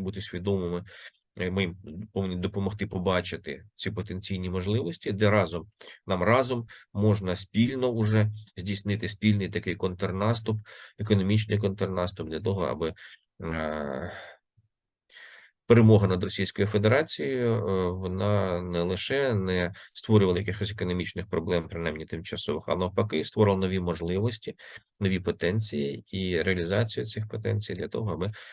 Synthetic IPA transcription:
but̪ɪsʲʋʲid̪ɔmɪmɪ | mimpɔʋnʲid̪ɔpɔmɔxt̪ɪpɔbɑt͡ʃɪt̪ɪ̰t͡sʲipɔt̪enʲt͡sʲijnʲimɔʒlˠɪʋɔsʲtʲid̪ɛɾɑzɔmnɑmrɑzɔmːɔʒnɐsʲpʲilʲnɔʊʒɛzʲdʲijsnɪt̪ɪsʲpʲilʲnɪjt̪ɐkɪjkɔnt̪ernɑst̪ʊpekɔnɔmʲit͡ʃnɪjk̬ɔnt̪ernɑst̪ʊb̚d̪lʲɐt̪ɔɦɔɐ̰bɪ | peɾemɔɦɐnɐd̪rɔsʲijsʲkɔjʊfed̪eɾɑt͡sʲijʊʋɔnɑnɛlˠɪʃɛnɛst̪ʋɔɾʲʊʋɐlˠɐjɐkɪxɔsʲekɔnɔmʲit͡ʃnɪxpɾɔblˠɛmpɾɪnɑjmnʲit̪ɪmt͡ʃɐsɔʋɪxɐ̰nɔpɐkɪst̪ʋɔɾɪlˠɐnɔʋʲimɔʒlˠɪʋɔsʲtʲi | nɔʋʲipɔt̪ɛnʲt͡sʲijiiɾeɐlʲizɑt͡sʲijʊt͡sʲɪxpɔt̪ɛnʲt͡sʲijd̪lʲɐt̪ɔ̰ɦɔɐbɪ

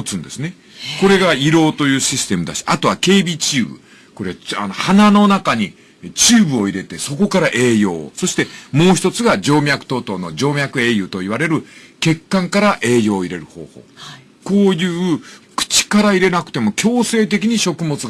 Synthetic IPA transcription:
t͡sɨ̃nd̪e̞sɨne | ko̞ɾe̞ɡaiɾo̞ːt̪o̞jɯ̟ːɕisɨ̥t̪e̞mɯ̟d̪aɕi̥at̪o̞βake̞ːbʲit͡ɕɨːbɯ̟̰ | ko̞ɾe̞a̰nohanano̞nakaɲ̟i | t͡ɕɨːbɯ̟o̞iɾe̞t̪e̞so̞ko̞kaɾaʔe̞ːjo̞̰ːso̞ɕi̥t̪e̞mo̞ːçi̥t̪ot͡sɨɡad͡ʑo̞ːmʲjakɯ̟t̪o̞ːt̪o̞ːno̞d͡ʑo̞ːmʲjakɯ̟e̞ːjɯ̟ːt̪o̞iβaɾe̞ɾɯ̟ke̞kːãŋkaɾaʔe̞ːjo̞ːiɾe̞ɾɯ̟ho̞̰ːho̞̰ː | ko̞ːjɯ̟ːkɯ̥t͡ɕi̥kaɾaiɾe̞nakɯ̟̥t̪e̞mo̞kʲo̞ːse̞ːt̪e̞k̬ʲiɲ̟iɕo̞kɯ̟mo̞t͡sɨ

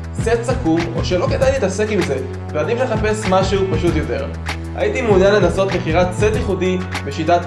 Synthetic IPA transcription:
t͡setsakumo̞̰ʃe̞lo̞ke̞dajnit̪ase̞kimze̞ | veadimle̞χape̞smaʃeupaʃutjote̞̰ʁ | a̰jitimunjanle̞naso̞t̪meχiʁatsetjiχudibeʃitat

